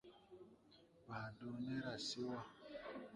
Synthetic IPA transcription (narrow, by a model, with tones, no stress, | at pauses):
ba˨do˦ne˦ɾa˨si˦wa˦